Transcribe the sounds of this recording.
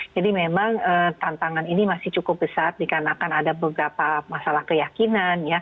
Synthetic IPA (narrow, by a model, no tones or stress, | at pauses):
d͡ʒadimemaŋəːt̪ant̪aŋaninimasɪht͡ʃukʊp̚bəsat̪̚dikarnaːkanadabəbəɾapamasalahkəjakinanja